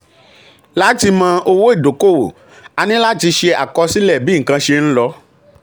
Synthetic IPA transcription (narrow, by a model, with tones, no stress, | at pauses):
la˦ti˧mã˧o˧wo˦i˦˨do˨ko˦˨wo̰˨ | a˧nĩ˦la˦ti˧ʃe˧a˨kɔ˧si˦lɛ˦˨bi˦ŋ̩˨kã˧ʃe˧ñ̩˦lɔ˧˦